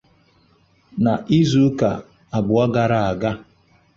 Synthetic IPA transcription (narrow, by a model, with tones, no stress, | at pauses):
na˨ʔi˦zu˦ka̰˨ | a˨bʊ˨a˦ɡa˨ɾa˦a˨ɡa˦